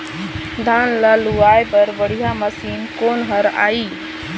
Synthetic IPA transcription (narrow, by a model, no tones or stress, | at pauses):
d̪ʱaːnlaluaːepəɾbəɽ̤ijaməsiːnkoːnɦəɾa̰ːiː